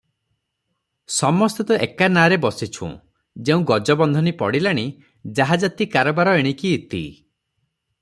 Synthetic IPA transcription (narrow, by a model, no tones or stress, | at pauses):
sɔmɔst̪ɔt̪ɔʔekanaɾebɔsit͡ʃʰṵ̃ | d͡ʒeũɡɔd͡ʒɔbɔnd̪ʱɔnipɔɽilaɽ̃i | d͡ʒaɦad͡ʒat̪ikaɾɔbaɾɔeɽ̃ikiːt̪ḭ